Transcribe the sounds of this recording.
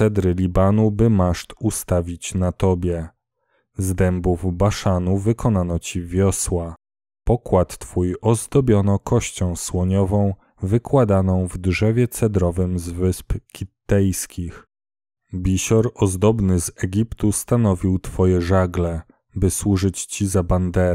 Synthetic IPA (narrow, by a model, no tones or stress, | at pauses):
sɛd̪ɾɘlʲibanubɘmaʂt̪ust̪avʲit͡ɕnat̪ɔbʲjɛ | zd̪ɛmbuvbaʂanuvɘkʰɔnanɔt͡ɕivʲjɔswa | pɔkwat̪ːfujɔzd̪ɔbʲjɔnɔkʰɔɕt͡ɕɔ̃w̃swɔɲɔvɔ̃w̃ | vɘkwad̪anɔ̃w̃vd̪ʐɛvʲjɛt̪sɛd̪ɾɔvɘmzvɘspkʲit̪ːɛjskʲix | bʲiɕɔɾɔzd̪ɔbnɘzɛɡʲipt̪ust̪anɔvʲiwt̪fɔjɛʐaɡlɛ | bɘswuʐɘt͡ɕt͡ɕizaband̪ɛɾ